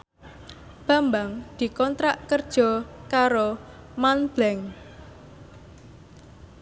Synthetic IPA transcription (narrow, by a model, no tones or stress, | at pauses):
b̥ä̤mbaŋd̪̥i̤kɔnt̪ɾaʔkərd̥ʒ̥ɔ̤kaɾo | manb̥lɛŋ